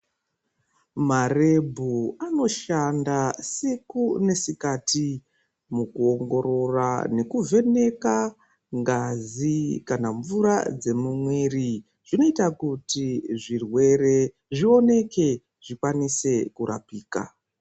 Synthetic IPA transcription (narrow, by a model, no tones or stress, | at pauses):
mare̞bʱuano̞ʃandasikune̞sikati | mukuo̞ŋɡo̞ɾo̞rane̞kuve̞ne̞ka | ŋɡazikanaɱvuɾad͡ze̞mumwe̞ːri | ʐ̥ino̞itakutiʐirwe̞re̞ | ʐio̞ne̞ke̞ | ʐ̥ikwanise̞kuɾʔa̰piːka̰